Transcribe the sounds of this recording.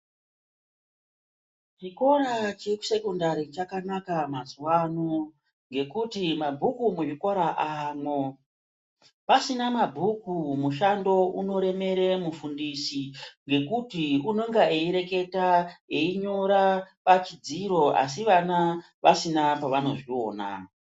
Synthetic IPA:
t͡ʃiko̞ɾat͡ʃeku̥se̞kondaɾit͡ʃakanakamazwano | ŋɡe̞kutimabʱukumuʐikoɾaʔaːmwo̞ | pasinamabʱukumuʃando̞uno̞ɾe̞me̞ɾe̞mufundisiŋɡe̞kutiuno̞ŋɡaeiɾe̞ke̞taeiɲo̞ɾapat͡ʃid͡ziɾo̞a̰s̬iʋana | ʋasinapaʋano̞ʐio̞̰ːna̰

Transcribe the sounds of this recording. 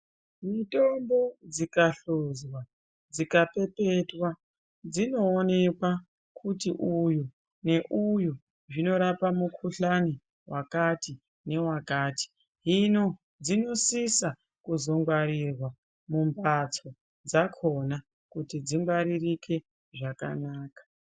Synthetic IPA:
mitombod͡zikaɬozwa | d͡zikape̞pe̞twa | d͡zino̞ːne̞kwa | kʰutiʔuju | ne̞ʔuju | ʐino̞ɾapamukʰuɬani | wʔakati | ne̞wakaːti̥ | ɦino | d͡zino̞sisa | kuzo̞ŋɡwaɾirwa | mumbat͡so̞ | d͡zakʰo̞na | kutid͡zimɡaɾirikʰe̞ | ʐaka̰naːkḁ

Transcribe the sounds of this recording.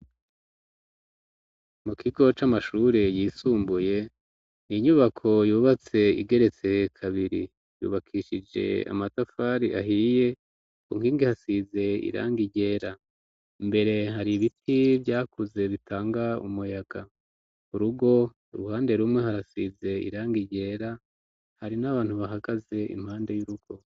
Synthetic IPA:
mukʰiɡo̞t͡ʃamaʃuɾejiːsuːmbuje̞ | niɲuβakʰo̞juːβat͡se̞ḭɡe̞ɾe̞t͡se̞kʰaβiɾḭ | jṵːβakʰiʃid͡ʒe̞̰a̰matafaːɾiʔaɦije̞ | kuŋ̥hiːŋɡihasize̞ḭɾa̰ːŋɡiɟe̞ːɾa | mbe̞ɾe̞ɦaɾiβitʰivɟaːkuze̞βitʰaːŋɡaṵmujaɡ̥a | uɾuɡo̞ | uɾuhaːnde̞ɾumŋe̞haɾasize̞ḭɾaːŋɡiɟe̞ːɾa | haɾinaβaːn̥huβaɦaɡaze̞ʔḭm̥haːnde̞juɾuɡ̥o̞

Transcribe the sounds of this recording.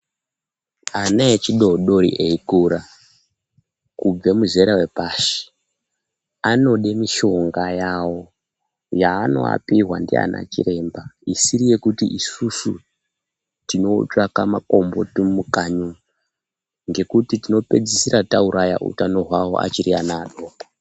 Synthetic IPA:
anaet͡ʃiɗo̞ɗo̞ɾḭʔeikuːɾa | kub͡ve̞muze̞ɾawe̞paːʃi̥ | ano̞ɗemiʃo̞ŋɡajawo̞ | jaːno̞̰a̰piɦwandia̰nʔa̰t͡ʃḭre̞ːmbaisiɾije̞kutiʔisusṵ | tino̞t͡ʂakamako̞mbo̞̰timukaɲu | ŋɡe̞kutitino̞pe̞d͡zisiɾatauɾʔaja̰ʔṵtano̞ɦwawo̞̰ʔa̰t͡ʃiɾianaɗoːa

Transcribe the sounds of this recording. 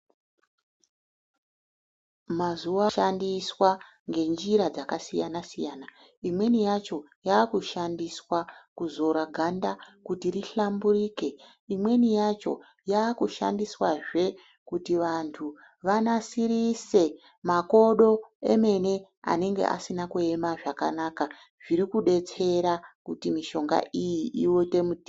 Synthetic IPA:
mazuaʃandiswa | ŋɡe̞nd͡ʒiɾad͡zakasijanasijaːna | imwe̞nijat͡ʃo̞ | jaːkuʃandiswakuzo̞ɾaɡʱandakutiriɬamburiːke̞ | imwe̞nijat͡ʃo̞̰ | jaːkuʃa̰ndiswaʐe̞ | kutiʋantʰu | ʋanasiɾise̞ | mako̞ɗo̞e̞̰me̞ne̞ | a̰ne̞ŋɡe̞̰ʔa̰sinakue̞maʐaka̰naːka | ʐiɾikuɗe̞t͡se̞ɾakutimiʃo̞ŋɡa̰ʔijiʔiwote̞muti

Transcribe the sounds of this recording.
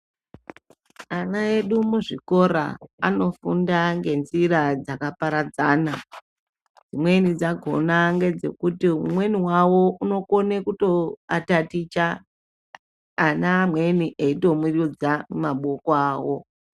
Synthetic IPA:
anae̞ɗumuʐiko̞ɾa̰ano̞fundaŋɡe̞nzirad͡zakapaɾad͡zaːna | d͡zimwe̞nid͡zaɡʱo̰naŋɡe̞d͡ze̞̰kutiumwe̞niwawo̞uno̞ko̞nekuto̞atatit͡ʃa | namwe̞niʔeito̞mirud͡zamumaɓo̞koaːwo̞

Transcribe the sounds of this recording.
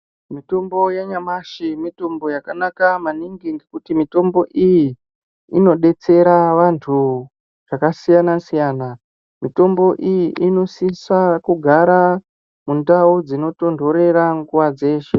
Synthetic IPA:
mito̞mbo̞jaɲamaʃimito̞mbo̞jakanakamaniŋɡiŋɡekutimito̞mbo̞ʔijiː | no̞ɗe̞t͡se̞ɾaʋantʰu | ʐakasijanasijaːna | mito̞mbo̞ʔijiʔino̞sisakuɡʱaɾa | mundaud͡zino̞to̞ndʱo̞ɾe̞ɾaŋɡuwad͡ze̞ːʃe̞

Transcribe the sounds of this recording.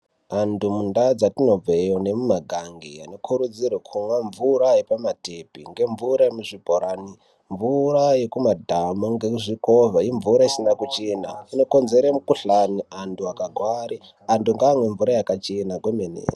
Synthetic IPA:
andumundad͡zatino̞b͡vejone̞mumaɡʱaŋɡia̰no̞kʰuɾud͡zirwekʰumwaɱvuɾajepamatepiŋɡe̞ɱvuɾajemuʐibʱoɾani | ɱvuraje̞kumadʱamoŋɡeʐikovaiɱvuɾaisinakut͡ʃena̰ino̞ko̞nzeɾemukuɬaniantʰuakaɡʱwaɾi | anduŋɡaːmwe̞ɱvuɾajakat͡ʃenaɡwemenḛːi

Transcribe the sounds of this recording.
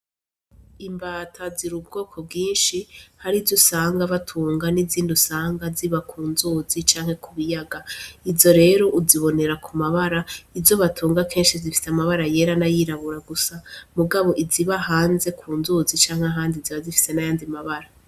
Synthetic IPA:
imbaːtʰaziɾub̚ɡo̞ːkʰo̞b̚ɡiːnʃihaɾivzusaːŋɡaβatʰuːŋɡaniziːndusaːŋɡaziβakʰuːnzuːzit͡ʃaːŋ̥he̞kʰuβijaɡaivzo̞ɾe̞ːɾo̞ʔuziβo̞ne̞ɾakumaβaɾaizo̞βatʰuːŋɡakʰe̞ːnʃizifi̥seamaβaɾaje̞ɾanajiːɾaβuɾaɡusamuɡaβo̞ʔiziβaɦaːnze̞kʰuːnzuzit͡ʃaːŋheaɦaːndiziβazifi̥se̞najaːndimaβaɾa

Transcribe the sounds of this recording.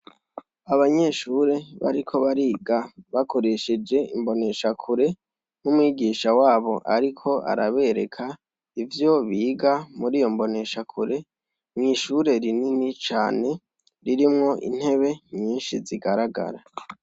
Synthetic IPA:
aβaɲe̞ʃuɾe̞βa̰ɾikʰo̞βaɾiːɡaβako̞ɾe̞ʃed͡ʒe̞ḭmbo̞ne̞ʃakʰuɾe̞ | numwiːɡiːʃawaːβo̞ʔaɾikʰo̞ʔa̰ɾaβe̞ɾe̞kʰa | ivjo̞βiːɡamuɾijo̞mbo̞ne̞ʃakʰuɾe̞ | mŋiʃuɾe̞ɾininit͡ʃaːne̞ | ɾiɾimŋo̞ʔḭn̥he̞βe̞ɲiːnʃiziɡaɾaɡa̰ɾa̰

